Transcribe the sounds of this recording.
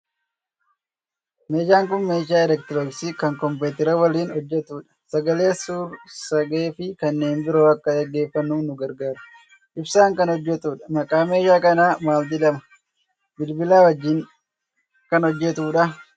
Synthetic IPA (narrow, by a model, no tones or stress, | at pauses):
me̞ːd͡ʒaːŋkʊnmeːʃaːɛlɛk̚t̪ɪɾoɡsiːkɐŋkɔmpeːt̪ɪɾɐwɐliːnɔd͡ʒːɛt̪uːᶑɐ̥sɐɡɐleːɐsuːɾsɐɡeːfɪkɐnːe̞ːnbɪɾo̞ːɐkːɐɡɐɡːe̞ːfːɐnːuːnʊɡɐɾɡaːɾʊ | ʔɪbsaːŋkɐnɔd͡ʒːɛt̪uːᶑɐ̥mɐkʼaːme̞ːd͡ʒaːkɐnaːmaːld̪ɪlɐmɐ | bɪlbɪlaːwɐd͡ʒːiːn | kɐnɔd͡ʒːɛt̪uːᶑɐ